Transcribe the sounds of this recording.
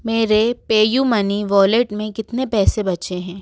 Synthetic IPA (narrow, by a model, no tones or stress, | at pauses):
meːɾepeːjumɐniʋɔːleʈmẽkɪt̪nepɛːsebɐt͡ʃeɦɛ̃ː